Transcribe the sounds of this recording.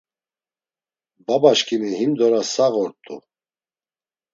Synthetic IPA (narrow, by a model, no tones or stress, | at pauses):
babaʃkʰʼimiɦimd̪ɔɾasaɣɔɾt̪ʼṵ